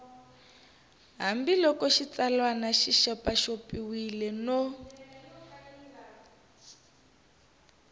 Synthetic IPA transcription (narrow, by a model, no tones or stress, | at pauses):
ɦambilɔkɔʃit͡salwanaʃiʃɔpaʃopiwilɛno